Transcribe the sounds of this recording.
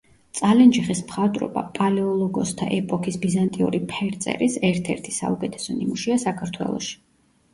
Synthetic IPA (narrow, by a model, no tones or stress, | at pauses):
t̪sʼalɛnd͡ʒiχismχat̪ʼɾɔ̰ba̰pʼalɛɔlˠɔɡɔst̪ʰa̰ʔɛpʼɔkʰisbizant̪ʼiṵɾipʰɛɾt̪sʼɛ̰ɾisɛɾt̪ʰɛɾt̪ʰi̥sa̰ukʼɛt̪ʰɛ̥sɔnimuʃiasakʰaɾt̪ʰwɛ̰lˠɔ̰ʃi̥